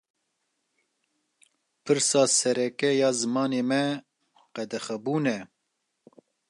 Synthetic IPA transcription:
pʰɨɾsɑːsɛɾɛkɛjɑːzɨmɑːneːmɛ | qɛd̪ɛxɛbuːnɛ

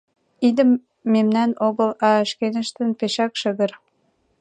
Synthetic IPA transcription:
id̪ə̆mː | emnænoɣə̆lɑʃkenə̆ʃt̪ə̆npeʃækʃəɣə̆ɾ

